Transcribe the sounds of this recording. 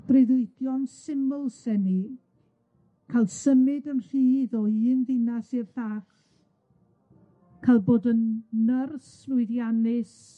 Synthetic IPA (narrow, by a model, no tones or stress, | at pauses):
d̥rɪðɪɨdjɔnsɪmʊlˠsɛni | kʰaɪlˠsəmɪdəmr̥iːðɔɨːnðɪnasirθaːχ | kʰajlˠboːdənːərs | vʊɨðjanɪs